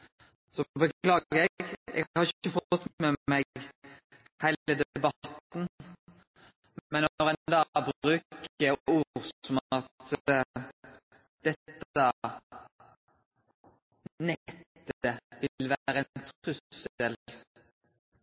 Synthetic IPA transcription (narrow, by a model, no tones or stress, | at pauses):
sɔbəklɑːɡəʁɛɡɡɛ̰ɡhɑɾʁɪççəfɔɔt̪ːmɛmɛɡ | hæɪləd̪ɛbɑt̪n | mmɛnːɔʁɛnd̪ɑbɾʉːkəuːʁsɔmɑt̪ | d̪̥ɛt̪ːɑ | nɛt̪ːəəʋɪlʋæɾəɛnnt̪ʰʁʉəel